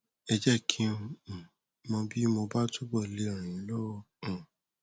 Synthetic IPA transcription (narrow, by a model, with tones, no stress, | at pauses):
ɛ˧d͡ʒɛ˦kʰĩ˧˦˧ | mɔ̃˧bi˦mo˧ba˦tu˦ɡ͡bɔ˦˨le˦ɔ̃˨ɾ̃ĩ˨˦lɔ˦wɔ̃˦˧˨